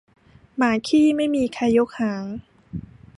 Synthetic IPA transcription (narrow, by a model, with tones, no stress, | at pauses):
maː˩˦kʰiː˥˩ma˥˩jmiː˧kʰa˧jo˦˥k̚haː˩˦ŋ